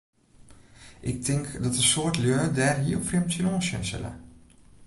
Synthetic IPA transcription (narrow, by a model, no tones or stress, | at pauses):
ʔɪk̚tʰɪŋkdɔtəsoətljøːdɛːrɦiəfrɪmtənoːsjə̰nsɛ̰lə̰